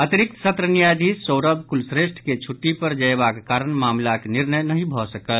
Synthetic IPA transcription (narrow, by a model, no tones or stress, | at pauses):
ət̪iɾik̚t̪sət̪ɾənijad̪ʱisoʊɾəbkulsɾeʃʈʰket͡ʃʰuʈːipəɾd͡ʒəebakekaɾənmamlakniɾnəjnəɦĩbʱɔsəkəl